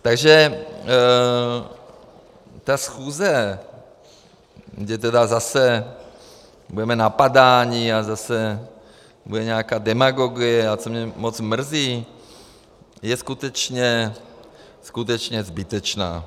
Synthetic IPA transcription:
t̪aɡʒɛ | t̪asxuːzɛ | ɡdɛt̪̬ɛdazasɛ | budɛmɛnapadaːɲiazasɛ | budɛɲaːkaːdɛmaɡoɡɪjɛat͡somɲɛmot͡smr̩ziː | jɛskut̪ɛt͡ʃɲɛ | skut̪̬ɛt͡ʃɲɛzbɪt̪ɛt͡ʃna̰ː

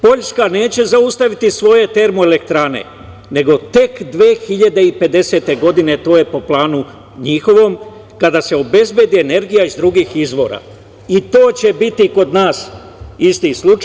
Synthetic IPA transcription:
po̞ʎskane̞ːt͡ɕe̞zaust̪aʋit̪isʋo̞je̞t̪e̞ɾmo̞ele̞k̚t̪ɾane̞̰ | ne̞ɡo̞t̪e̞kd̪ʋeːxiʎad̪e̞ipe̞d̪e̞se̞t̪e̞ɡo̞d̪ine̞t̪o̞ːje̞po̞plˠaːnu | ɲixo̞ʋo̞m | kad̪ase̞o̞be̞zbje̞d̪iene̞ɾɡijaizd̪ɾuɡixizʋo̞̰ːɾa̰ | it̪o̞ːt͡ɕe̞bit̪iko̞d̪naːs | ist̪islut͡ʃ

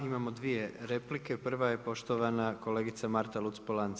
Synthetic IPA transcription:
imamod̪ʋije̞ɾe̞plike̞pr̩ʋaje̞po̞ʃt̪oʋanako̞le̞ːɡit̪samaɾt̪alut̪spolan

